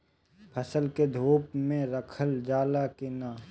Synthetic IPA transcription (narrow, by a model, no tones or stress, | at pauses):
pʰəsəlked̪ʱoːpmẽɾəkʰəld͡ʒaːlakinaː